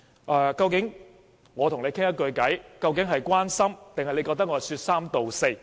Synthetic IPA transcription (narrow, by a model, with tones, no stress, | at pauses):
ʔɛː˨˩kɐ˧wkɪ˨˥ŋ | ŋɔː˨˧t̪ʰʊ˨˩ŋne˨˧jkʰɪ˥ŋjɐ˥t̚kɵ˧ɥkɐ˨˥jkɐ˧wk̬ɪ˨˥ŋɦɐ˨jkʷaː˥nsɐ˥mt̪ɪ˨ŋhɐ˨jle˨˧kɔː˧k̚t̪ɐ˥k̚ŋɔ˧˥˨syː˧t̚saː˥mt̪o˨wse˧j